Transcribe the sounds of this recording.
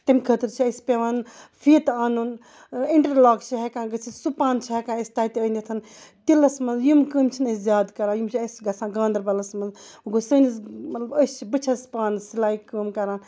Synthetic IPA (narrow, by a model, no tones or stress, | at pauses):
t̪ɐmʲkʰət̪ɨɾt͡ʃʰiɐsʲpeʋaːnfʰiːt̪aːnun | iɳʈɐɾlaːɡt͡ʃʰiɦekãːɡɐt͡sʰisupaːnt͡ʃʰiɦekãːɐsʲt̪aːit̪eənʲɐt̪ʰɐn | t̪ilɐsmɐnzjumkəːmt͡ʃʰinɐsʲzjaːd̪kɐɾãːjumt͡ʃʰiɐsʲɡɐsʰãːɡãːnd̪ɾbɐlɐsmɐnzuɡosəːnismɐt̪lɐbəst͡ʃʰibɨt͡ʃʰɐspaːnsilaːikəːmkɐɾaːn